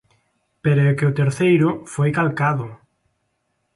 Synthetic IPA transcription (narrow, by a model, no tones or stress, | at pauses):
peɾʊekeʊt̪eɾθejɾʊfojkalkaðʊ